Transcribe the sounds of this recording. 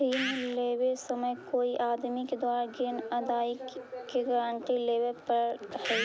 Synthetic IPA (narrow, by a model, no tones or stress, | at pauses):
iːnleːwesɐməjkoːiʔaːd̪miked̪aːɾɡinɐd̪aːɪkkeɡəɾəɳʈ̪ileːʋepəɾɦɛ